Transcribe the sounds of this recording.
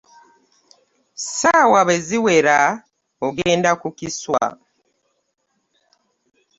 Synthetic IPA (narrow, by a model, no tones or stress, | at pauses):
sawaβe̞ziwe̞ɾa | oɡeːndakukiswa̰